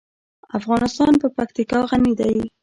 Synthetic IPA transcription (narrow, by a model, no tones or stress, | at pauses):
a̰fɣɑnɪst̪ɑnpəpakt̪ikɑɣanid̪aji